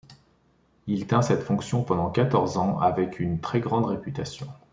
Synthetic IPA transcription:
ilt̪ɛ̃sɛt̪fɔ̃ksjɔ̃pɑ̃d̪ɑ̃kat̪ɔʁzɑ̃avɛkʰynt̪χɛɡʁɑ̃d̪ʁepyt̪asjɔ̰̃

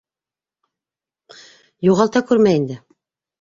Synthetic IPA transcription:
juʁɑlˠt̪ɑkʉɾmæjind̪ɘ

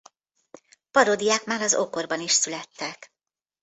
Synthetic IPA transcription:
pɒɾod̪ijaːkmaːɾɒzo̞ko̞rbɒniʃsylɛt̪ːɛk

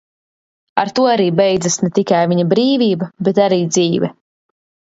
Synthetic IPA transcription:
aɾt̪uɔaɾiːbɛjd̪zasnet̪ikajviɲabɾiːvʲiːbabɛt̪aɾiːd̪ziːvɛ

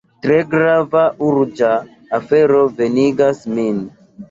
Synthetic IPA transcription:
tɾeɡɾavaʔuɾd͡ʒaː | feɾove̞niɡasmin

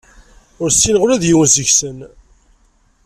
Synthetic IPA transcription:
ʊɾsːinʁʊɾæðjiwənzəçsən

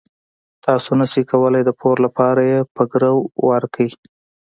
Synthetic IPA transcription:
t̪ɑsonasikawəlajd̪əpʰoɾlapɑɾajepəɡɾəwwaɾkʰai

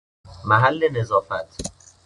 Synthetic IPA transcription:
mæɦælːenezɒːfæt̪ʰ

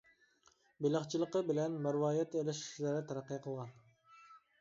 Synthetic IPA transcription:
belɑχt͡ʃʰilˠəqəbɪlɛnmɑɾwɑːjɛt̪elɪʃi̥ʃlæɾɛt̪ʰæɾæqːɨjqʰəlˠʁɑn

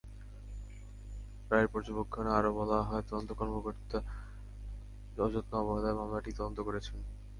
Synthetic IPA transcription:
pɾaeɾpɔɾd͡ʑobokʰːoneaɾobɔlaɦɔet̪ɔd̪ont̪okɔɾmokoɾt̪a | ɔd͡ʑot̪noɔboɦad̪aemamlaʈit̪ɔd̪ont̪okoɾet͡ɕʰen

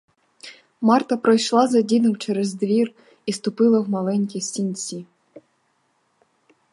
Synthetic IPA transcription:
mɑrt̪ɐpɾɔjʃlˠɑzɐdʲinʊwt͡ʃɛɾɛzd̪ʋʲir | ist̪ʊpɪlˠɐwmɐlˠɛnʲkʲisʲinʲt͡sʲi

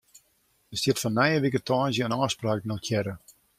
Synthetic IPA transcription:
əstjɪtfɔnːɛjəʋikətʰɔːnzjəənɔːspraːknɔlkʰjɛɾə

